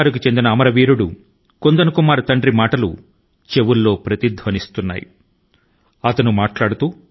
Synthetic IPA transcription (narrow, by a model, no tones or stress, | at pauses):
ɾukit͡ʃe̞nd̪inɐːmɐɾɐʋiːɾuɽu | kond̪ɐnukumaːɾut̪ɐɳɖɾimaːʈɐlṵ | t͡ʃe̞wulːo̞ːpɾɐt̪id̪ʱʋɐnist̪unːa̰ːjḭ | ɐt̪ɐnumaːʈlaːɽut̪uː